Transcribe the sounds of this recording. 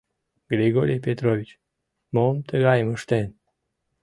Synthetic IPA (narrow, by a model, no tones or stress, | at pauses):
ɡɾeɡoɾiepʲet̪ɾovit͡ʃ | momt̪ʰəɡajməʃt̪en